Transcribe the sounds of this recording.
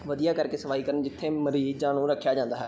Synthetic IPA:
ʋəd̪ijaːkəɾkeːsəʋaːiːkəɾənd͡ʒɪt̪ʰːeːməɾiːzãːnũːɾəkʰːjaːd͡ʒãːnd̪aːɦɛː

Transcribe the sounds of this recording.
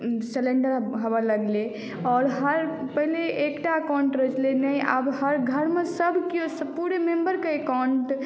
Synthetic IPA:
seleɳɖəɾɦəbələɡle | ɔɾɦəɾpəɦileʔːkʈaəkawɳʈɾət͡ʃlenəja̰bɦəɾɡʱəɾmesəbʱkijosəpuɾemembəɾkeekawɳʈ

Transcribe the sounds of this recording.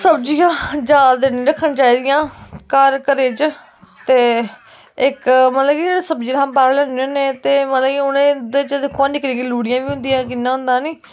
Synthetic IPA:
səbd͡ʒijãːd͡ʒaːld̪enĩːɾəkʰːənt͡ʃaːiːd̪ɪjãːkəɾkəɾeːt͡ʃ | t̪eː | ɪkmət̪ləɡid͡ʒeːɽeːsəbd͡ʒiːãmpaːɾːlɛõːneːt̪eːmət̪ləkiʊnẽːd̪et͡ʃəd̪ɪkʰːõãːnɪkɾiːɡiluːɽɪjãːʋiːɦʊ̃nd̪ijãːkɪnːãːɦʊ̃nd̪ãːniː

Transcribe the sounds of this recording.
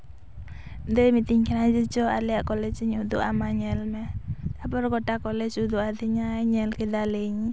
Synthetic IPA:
d̪emit̪iŋkinad͡ʒit͡ʃɔa̰liaʔkɔlɛd͡ʒiɲud̪uʔamaɲɛlmɛlapɔɾɡɔʈakɔlɛd͡ʒud̪uad̪iɲaɲɛlkid̪aleɲ

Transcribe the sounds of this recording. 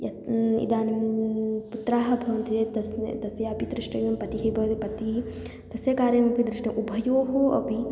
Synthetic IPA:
jɐt̪ḭd̪aːnimput̪ɾaːɦɐbʱɐːnt̪et̪ɐst̪ɐsjɐɐpid̪ɾiʂʈɐjɐmpɐt̪iɦɐbʱɐd̪pɐt̪i | t̪ɐsjɐkaːɾjɐnɐpid̪ɾiʂʈɐʔubʱɐjoːɦoʔɐ̰pi

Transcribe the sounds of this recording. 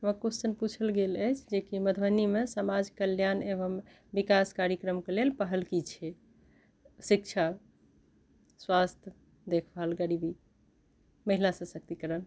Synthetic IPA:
məkussənput͡ʃʰəlɡeləjt͡ʃʰd͡ʒekiməd̪ʱbənimesəmad͡ʒkəljanebəm | bikaskaɾjəkɾəmkelelpəɦəlkit͡ʃʰɛ | sikt͡ʃʰa | swast̪ʰjə | d̪ekʰəlɡəɾibi | məɦilasə̃sək̚t̪ikəɾən

